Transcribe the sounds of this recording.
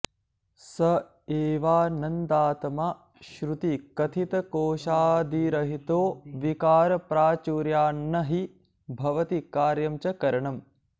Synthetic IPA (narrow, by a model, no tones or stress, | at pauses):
sɐ | eːʋaːnɐnd̪aːt̪ɐmaː | ʃɾut̪ikɐt̪ʰit̪ɐkoːʃaːd̪ʱiɾɐɦit̪oːʋikaːɾɐpɾaːt͡ʃuːɾjaːnːɐɦi | bʱɐʋɐt̪ikaːɾjɐmt͡ʃɐkɐɾɐɳɐm